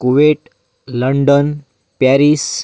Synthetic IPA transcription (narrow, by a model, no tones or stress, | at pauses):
kuʋeʈ | ləɳɖən | paɾis